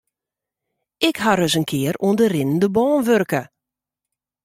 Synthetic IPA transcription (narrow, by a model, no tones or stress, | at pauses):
ɪkhaɾøsənkʰɪəɾuəndərɪnən̩dəbɔːnʋørkə